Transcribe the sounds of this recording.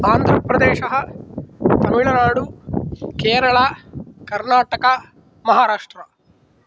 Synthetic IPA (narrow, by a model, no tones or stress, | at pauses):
aːnd̪ʱɾɐpɾɐd̪eːʃɐɦɐ | t̪ɐmiɭɐnaːɽukeːɾɐɭɐkɐɾnaːʈɐkɐ | mɐɦaːɾaːʂʈɾɐ